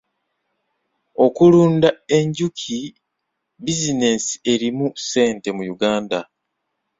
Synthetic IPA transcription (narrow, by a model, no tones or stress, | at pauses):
o̞kuluːndae̞ɲɟukʰi | bizine̞si̥e̞ɾimuse̞ːnte̞mujuɡaːnda